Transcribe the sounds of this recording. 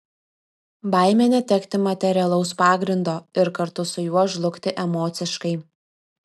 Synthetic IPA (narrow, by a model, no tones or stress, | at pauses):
bɑɪmʲɛnʲɛt̪ʲɛkt̪ʲɪmɐt̪ʲɛɾʲɪɛlˠɐʊspɑːɡɾʲɪnd̪oːɪɾkɐɾt̪ʊsʊjuɔʒlˠʊkt̪ʲɪʔɛmɔːt̪sʲɪʃkɐɪ